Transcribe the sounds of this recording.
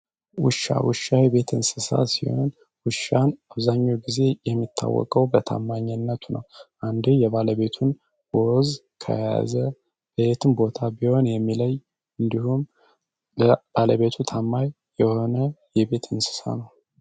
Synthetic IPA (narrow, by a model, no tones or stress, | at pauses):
wʊʃːa̰wɨʃajɛβe̞t̪ɨnsɨsa̰sḭho̞̰n | wʊʃanaβzaɲːowɡize̞jɛmːit̪ʰːa̰wːɔ̰kʼəwbət̪ʰa̰mːaɲːənːət̪ʰunʔə̰wʔand̪ujɛβaləβe̞t̪ʰun | woz | kʰə̰jaja̰zə | bet̪ʰɨnbo̞t̪ʰabiho̞njɛmːiləj | ɨnd̪ihum | ləb̥aləβe̞t̪ʰut̪ʰamːaj | jɛho̞nəjɛβe̞t̪ʰɨnsɨ̥sa̰nəw